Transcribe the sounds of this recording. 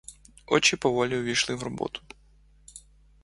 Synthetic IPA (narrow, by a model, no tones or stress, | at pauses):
ɔt͡ʃɪpɔʋɔlʲiʊʋʲijʃlˠɪwrɔbɔ̰t̪ʰʊ̥